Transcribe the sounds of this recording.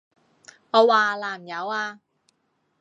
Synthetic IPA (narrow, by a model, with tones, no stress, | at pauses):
ŋɔː˨˧waː˨˩laː˨˩m̩˨jɐ˨˧waː˧